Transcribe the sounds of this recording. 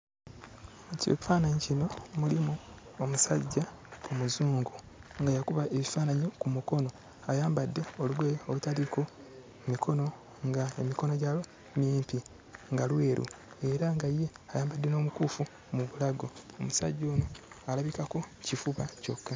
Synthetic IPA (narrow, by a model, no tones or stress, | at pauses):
co̰kufaːnaɲicino̞mulimu | omusa̰ɟːa | omuzuːŋɡu | ŋɡajakuβaʔe̞βifaːnaɲokumuko̞no̞ | ajaːmbadːe̞o̞lweolutaliko̞ | mikʰo̞no̞ | ŋɡaemiko̞no̞ɟalo | miːmpi | ŋɡalwe̞ːɾʔṵ | e̞ɾaŋɡajeajaːmbadːe̞no̞ːmukuːfu | muβulaɡo̞ːmusa̰ɟːo̞ːno | alaβikako̞cifuβaco̞kːa